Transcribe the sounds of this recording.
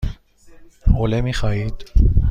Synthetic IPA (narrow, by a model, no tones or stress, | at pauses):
olemiχait̪